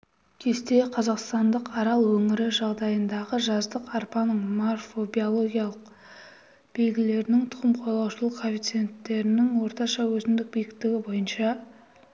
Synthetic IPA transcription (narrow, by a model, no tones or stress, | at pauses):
kʲʰe̞st̪e̞qʰɑzɑqst̪ɑnd̪əqɑɾɑlˠwɵŋɪɾɪʒɑʁd̪ɑjənd̪ɑʁəʒɑzd̪əqɑɾpɑnəɴmorfo̞bio̞lˠo̞ɡʲijɑlˠəq | b̥e̞lɡʲɪle̞ɾɪnɪŋt̪ʰʊ̥ʁəmqʰolˠɑwʃəlˠəqkʰːofʲijt̪sɨje̞nt̪ːe̞ɾɪnɪŋwo̞ɾt̪ɑʃɑwɵzɪmd̪ɪk̚bijʲk̚t̪ɪɡʲɪbo̞jənʃɑ